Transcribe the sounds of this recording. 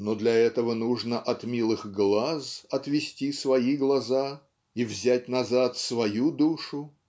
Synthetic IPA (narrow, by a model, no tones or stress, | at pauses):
nod̪lʲɐɛt̪əvənuʐnəʔɐt̪mʲilˠɨxɡlˠasɐt̪vʲɪsʲtʲisvɐiɡlˠɐza | ivzʲætʲnɐzat̪svɐjud̪uʂʊ